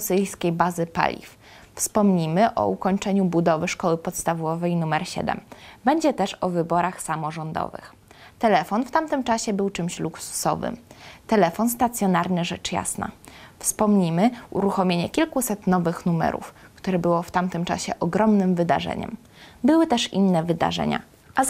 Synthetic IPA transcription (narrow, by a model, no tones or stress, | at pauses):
ɔsɘjskʲejbazɘpa̰lʲḭf | fspɔmɲimɘʔɔ̰ukɔɲt͡ʂɛɲubud̪ɔvɘʂkɔwɘpɔt̪st̪avɔvɛjnumɛɾɕɛ̰d̪ɛ̰mbɛɲd͡ʑɛt̪ɛʂɔvɘbɔɾaxsamɔʐɔnd̪ɔ̰vɘ̰x | t̪ɛlɛfɔnft̪amt̪ɘmt͡ʂaɕɛbɘwt͡ʂɘmɕluksu̥sɔ̰vɘ̰mt̪ɛlɛfɔnst̪at̪sʲjɔnaɾnɘʐɛt͡ʂja̰sna̰fspɔmɲimɘṵɾuxɔmʲjeɲɛkʲilkusɛt̪nɔvɘxnumɛ̰ɾṵfkt̪uɾɛbɘwɔft̪amt̪ɘmt͡ʂa̰ɕɛʔɔɡɾɔmnɘmvɘd̪a̰ʐɛ̰ɲɛ̰m | bɘwɘt̪ɛʂḭnːɛvɘd̪a̰ʐɛ̰ɲa̰ | a